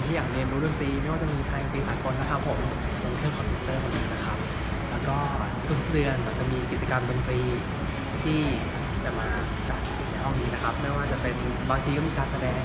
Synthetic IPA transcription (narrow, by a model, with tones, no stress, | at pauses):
nt̪ʰiː˥˩jaː˨˩k̚le˧mbɾɯ˥˩əŋt̪iː˧ma˥˩waː˥˩t͡ɕa˨˩miː˧pʰa˧jkaː˨˩t̪iː˧saː˩˦ko˧nːa˦˥kʰa˦˥pʰːo˩˦m | lo˧t̪ʰɯ˥˩əkʰɔː˧npʰu˦˥k̚t̪ɤː˥˩kʰo˧nːɯ˨˩ŋna˦˥kʰa˦˥p̚ | lɛː˦˥wkɔː˥˩ | k̪ɯ˨˧˩p̚dɯ˧ənwaː˨˩t͡ɕa˨˩ʔmiː˧ki˨˩t͡ɕa˧kaː˧mdo˧nfɾiː˧ | t̪ʰiː˥˩ | t͡ɕa˨˩ʔmaː˧ | t͡ɕa˨˩t̪̚ | na˧jɦɔ˥˩ŋniː˦˥na˦˥kʰa˦˥p̚mɯ˥˩ɐwaː˥˩t͡ɕa˨˩pe˧n | baː˧ŋt̪ʰiː˧kɔ˥˩iː˧kaː˧nsa˧dɛː˧ŋ